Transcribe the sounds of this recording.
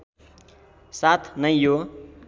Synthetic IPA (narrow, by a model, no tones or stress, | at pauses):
sat̪ʰnʌjjo